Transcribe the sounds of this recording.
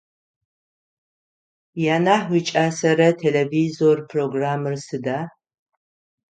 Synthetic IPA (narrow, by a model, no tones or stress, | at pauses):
jaːnaːħwʷit͡ʃʼaːsɐɾɐtʰelevizorpʰroːɡraːmɨrsɨdaː